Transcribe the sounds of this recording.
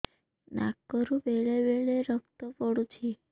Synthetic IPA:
na̰kːɔɾũbeɭebeɭeɾəpt̪opɔɽut͡ʃʰi

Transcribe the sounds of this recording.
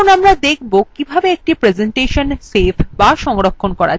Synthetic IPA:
onamɾad̪ekʰbokibʱabeek̚ʈipɾed͡ʑeɳʈeʃonsefʰbaʃɔŋɾokʰːonkɔɾa̰

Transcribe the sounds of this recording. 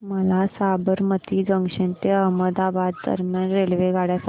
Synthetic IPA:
məlasabəɾmət̪iːd͡zəŋɡʂent̪eəɦməd̪abad̪ːə̰ɾmjanɾelʋeɡaɽjas

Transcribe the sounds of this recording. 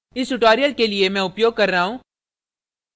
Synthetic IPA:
ɪsʈʊʈaːɾijəlkeliemɛ̃ʊpjoːɡ̚kɐɾːaɦũː

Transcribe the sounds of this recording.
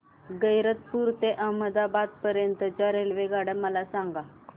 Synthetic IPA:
ɡəjɾət̪̚puɾt̪eʔəməd̪abad̪̚pəɾjənt̪ət͡ɕjaɾelʋeɡaɽəməlasaŋɡa

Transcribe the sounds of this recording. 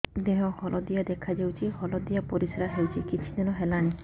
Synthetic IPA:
d̪eɦɔ̃hɔlʔɔd̪ijad̪ekʰad͡ʒewt͡ʃʰihɔlɔd̪ijapoɾiseɾaɦewt͡ʃʰikit͡ʃʰid̪inɔɦelaɽ̃i

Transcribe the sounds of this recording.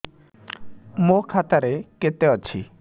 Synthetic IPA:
mokʰat̪aɾeket̪eɔt͡ʃʰḭ

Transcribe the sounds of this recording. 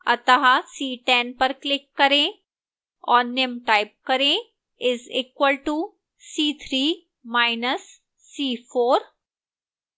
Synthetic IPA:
ɐ̰t̪ɐɦasiːʈɛnpɐɾklɪkːɐɾẽ | ɔːɾnemʈaːɪp̚kɐɾẽ | ɪziːkwəlʈu | siːt̪ʰɾiː | maːɪnəsː | iːfoːɾ

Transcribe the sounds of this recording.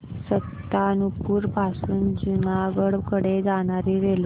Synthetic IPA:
sət̪ːanupuːɾpasuːnd͡ʑunaɡəɽʋkəɽed͡zaɽ̃aɾiʋel

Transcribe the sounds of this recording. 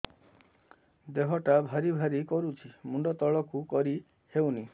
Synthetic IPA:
d̪eɦɔʈabʱaɾibʱaɾikɔɾut͡ʃʰimuɳɖɔt̪ɔɭɔkukɔɾi | hewni

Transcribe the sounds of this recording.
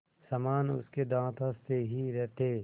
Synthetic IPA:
sɐmaːnʊ̰sked̪ãːt̪ʰast̪eɦiɾɛɦt̪ʰeː

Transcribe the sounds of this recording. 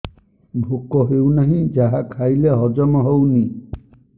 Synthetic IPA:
bʱukɔɦewnaɦĩd͡ʒaɦakʰajleɦɔd͡ʒɔmɔɦowni

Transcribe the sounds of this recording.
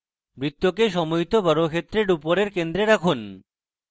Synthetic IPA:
bɾit̪ːokeʃɔmojt̪obɔɾokʰet̪ːɾeɾupoɾeɾkend̪ɾeɾakʰun

